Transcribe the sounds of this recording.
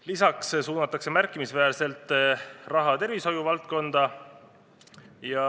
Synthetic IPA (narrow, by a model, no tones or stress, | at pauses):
lisɑkssuːnɑt̪ːˑɑkse̞mærkːˑimisvæːrse̞lt̪ːˑrɑɦɑt̪e̞rviso̞juvɑlt̪̚ko̞nd̪̥ɑ | jɑ